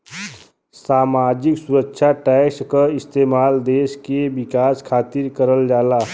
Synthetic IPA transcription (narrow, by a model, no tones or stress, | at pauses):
saːmaːd͡ʒɪksuɾəkːʃʰaʈɛːkskəɪst̪eːmaːld̪eːʃkebɪkaːskʰaːt̪ɪɾkəɾəld͡ʒaːlaː